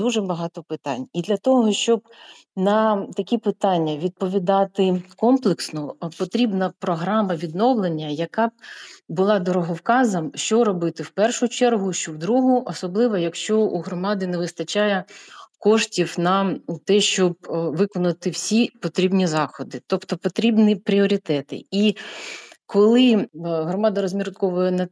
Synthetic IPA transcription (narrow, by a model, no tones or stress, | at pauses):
d̪uʒɛbɐɦɑt̪ɔpɪt̪ɑ̰nʲid̪lʲɐt̪ɔɦɔʃt͡ʃɔb | nɐt̪ɐkʲipɪt̪ɑnʲːɐʋʲid̪̚pɔʋʲid̪ɑt̪ɪkɔmplˠɪksnɔpɔt̪ɾʲibnɐpɾɔɦɾɑmɐʋʲid̪nɔwlˠenʲːɐjɐkɑbʊlˠɑd̪ɔɾɔɦɔwkɑzɐmʃt͡ʃɔɾɔbɪt̪ɪwpɛrʃʊt͡ʃɛrɦʊʃt͡ʃɔwd̪ɾuɦʊʔɔsɔblˠɪʋɐjɐkʃt͡ʃɔuɦɾɔmɑd̪ɪneʋɪst̪ɐt͡ʃɑjɛkɔʃtʲiwnɐt̪ɛʃt͡ʃɔb̚ʋɪkɔnɐt̪ɪwsʲipɔt̪ɾʲibnʲizɑxɔd̪ɪt̪ɔpt̪ɔpɔt̪ɾʲibnʲipɾʲiɔɾʲit̪ɛt̪ɪ̰i | kɔlˠɪɦɾɔmɑd̪ɐɾɔzʲmʲiɾt̪kɔʋʊjɛnɐ